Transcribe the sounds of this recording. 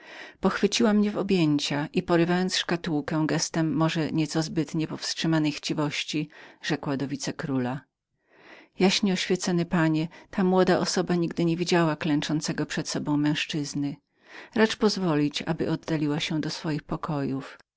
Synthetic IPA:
pɔxfɘt͡ɕiwamɲɛvɔbʲjeɲt͡ɕaʔipɔɾɘvajɔnt̪sʂkat̪uwkɛ̃ɡɛst̪ɛmːɔʐɛɲɛt̪sɔzbɘt̪ɲɛpɔfstʂɘmanɛjxt͡ɕivɔɕt͡ɕiʐ̥ɛkwad̪ɔvʲit̪sɛkɾula | jaɕɲɛɔɕfʲjɛt̪sɔnɘpaɲɛt̪ʰamwɔd̪aʔɔsɔbaɲiɡd̪ɘɲevʲid͡ʑawaklɛnt͡ʂɔnt̪sɛɡɔpʂɛt̪sɔbɔ̃w̃mɛ̃w̃ʂt͡ʂɘznɘ | ɾat͡ʂpɔzvɔlʲit͡ɕa̰bɘ̰ʔɔd̪ːalʲiwaɕɛd̪ɔsfɔjixpɔkʰɔjuf

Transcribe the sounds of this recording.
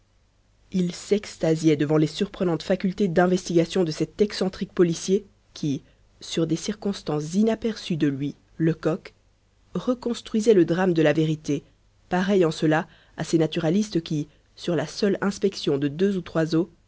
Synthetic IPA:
ilsɛkst̪azjɛd̪əvɑ̃lesyʁpχənɑ̃t̪fakʲylt̪ed̪ɛ̃vɛst̪iɡasjɔ̃d̪əsɛt̪ɛksɑ̃t̪χik̚pɔlisje | kʲʰi | syʁd̪esiʁkɔ̃st̪ɑ̃szinapɛʁsyd̪əlɥi | ləkɔk | ʁəkɔ̃st̪χɥizɛləd̪ʁamd̪əlaveʁit̪e | paʁɛjɑ̃səla | asenat̪yʁalist̪əkʲi | syʁlasœlɛ̃spɛksjɔ̃d̪əd̪øzut̪χwazo

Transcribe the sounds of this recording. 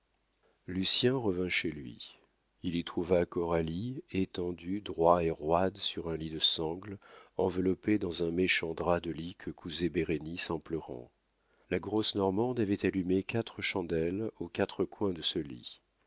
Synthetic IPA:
lysjɛ̃ʁəvɛ̃ʃelɥḭ | ilit̪χuvakɔʁaliet̪ɑ̃d̪yd̪ʁwaeʁwad̪syʁɛ̃lid̪əsɑ̃ɡlɑ̃vəlɔped̪ɑ̃zɛ̃meʃɑ̃d̪ʁad̪əlikʰəkʰuzebeʁenisɑ̃plœʁɑ̰̃ | laɡʁɔsnɔʁmɑ̃d̪avɛt̪alymekat̪χəʃɑ̃d̪ɛlokat̪χəkwɛ̃d̪əsəlḭ

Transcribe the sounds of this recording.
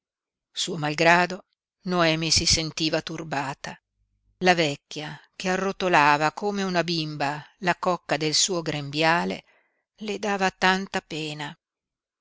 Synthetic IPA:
suːomalɡɾaːd̪o | noɛːmisisent̪iːvat̪urbaːt̪a | lavɛkʲːjakearːot̪olaːvakoːmeunabimbalakɔkːad̪elsuːoɡɾembjaːlḛ | led̪aːvat̪ant̪apeːna

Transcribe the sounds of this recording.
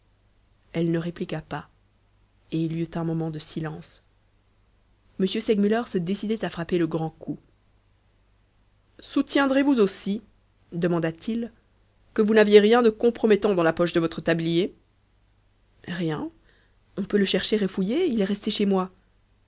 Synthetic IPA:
ɛlnəʁeplikapa | eljøt̪ɛ̃mɔmɑ̃d̪əsilɑ̃s | məsjøsɛɡmylœʁsəd̪esid̪ɛt̪afχapeləɡʁɑ̃kʰu | sut̪jɛ̃d̪ʁevuzosi | d̪əmɑ̃d̪at̪il | kəvunavjeʁjɛ̃d̪əkɔ̃pχɔmɛt̪ɑ̃d̪ɑ̃lapɔʃd̪əvɔt̪χət̪ablije | ʁjɛ̃ | ɔ̃pøləʃɛʁʃeʁefujeilɛʁɛst̪eʃemwa

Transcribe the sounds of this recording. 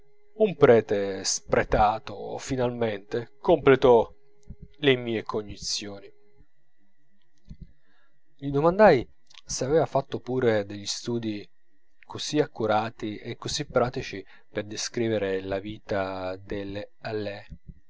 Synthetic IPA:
umpɾɛːt̪espɾet̪aːt̪ofinalment̪ekomplet̪ɔ | lemiːekoɲːit̪sːjoːni | ʎid̪omand̪aj | seavɛːvafat̪ːopuːɾed̪eʎːist̪uːd̪i | kʰoziakːuɾaːt̪iʔekːosipːɾaːt̪it͡ʃi | perd̪eskɾiːveɾelaviːt̪ad̪ele | alːɛ

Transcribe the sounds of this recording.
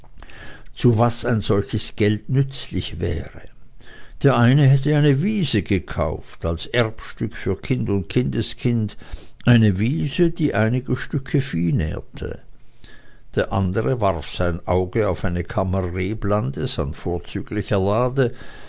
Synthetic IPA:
t͡suvasaɪnz̥ɔlçəsɡ̥ɛltnʏt͡slɪçvɛ̰ːʁəd̥eːɐʔaɪnəɦɛtəaɪnəviːzəɡəkʰa̰ʊftalsʔɛʁpʃtʏkfyːɐkʰɪndʊnt̚kʰɪndəskʰɪndʔaɪnəviːzəd̥iːʔaɪnɪɡəʃtʏkʰəfiːnɛ̰ːɐtʰə̰ | d̥eːɐʔa̰ndəʁəvaʁfsaɪnʔaʊɡəaʊfaɪnəkʰamɐʁeːblandəsa̰nfoːɐt͡syːɡlɪçɐlaːdə

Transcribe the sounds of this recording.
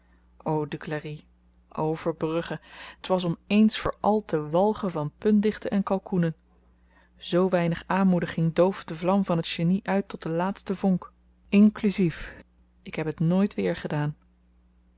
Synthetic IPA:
owdyklari | ʔo̰wvəɹbrɵχəətʋɑs̬ɔmejnsfʊ̰ːɹʔɑlˠtəʋɑlˠχəvɑnpɵndɪχtənɛnkɑlˠkunən | z̥owʋɛjnəχaːnmudəχɪŋdowfdəvlɑmvɑnɦətʃeniʔœɥtɔt̚dəlaːtstəvɔŋk | ɪŋklyzif | ɪkɦɛpɦətnoːjtʋɪːɹχədaːn

